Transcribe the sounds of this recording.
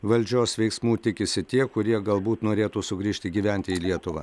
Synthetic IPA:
ʋɐlʲd͡ʒʲoːsʋʲɛɪksmuːt̪ʲɪkʲɪsʲɪt̪ʲiɛkʊɾʲiɛɡɐlˠbuːt̪noːɾʲeːt̪uːsʊɡɾʲiːʃʲt̪ʲɪɡʲiːʋʲɛˑnʲt̪ʲɪiːlʲiɛt̪ʊʋɐ̰

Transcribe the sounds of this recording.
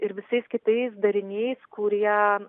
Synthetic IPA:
ɪɾʋʲɪsɐɪskʲɪt̪ɐɪsd̪ɐɾʲɪnʲɛɪskʊɾʲiɛ

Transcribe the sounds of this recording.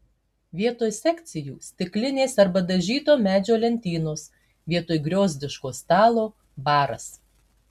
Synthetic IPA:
ʋʲiɛt̪oːjsʲɛkʲt̪sʲɪjuːsʲt̪ʲɪklʲɪnʲeːsɐɾbɐd̪ɐʒʲiːt̪oːmʲæːd͡ʒʲoːlʲɛnʲt̪ʲiːnoːs | ʋʲiɛt̪oːjɡɾʲoːzʲd̪ʲɪʃkoːst̪ɑːlˠoː | bɑːɾɐ̰s

